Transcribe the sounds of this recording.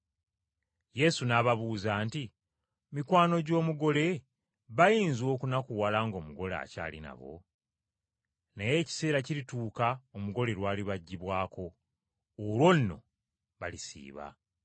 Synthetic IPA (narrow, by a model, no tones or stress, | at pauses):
je̞sunaβaβuːzaːnti | mikwaːno̞ɟo̞ːmuɡo̞le̞ | βajiːnzo̞ːkunakuwalaːŋɡo̞ːmuɡo̞la̰ːca̰ːlḭna̰βo̞̰ | naje̞ːci̥se̞ːɾaciɾituːkaomuɡo̞le̞ɾwaːliβaɟːiβwaːko̞ː | lwo̞nno̞̰ | βalisḭːβa̰